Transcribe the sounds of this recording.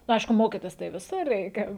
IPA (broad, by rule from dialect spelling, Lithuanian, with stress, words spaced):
nʊ ˈɐɪʃkʊ ˈmoːkʲiːtʲɪs tɐɪ ʋʲɪˈsʊr ˈrʲɛɪkʲɛ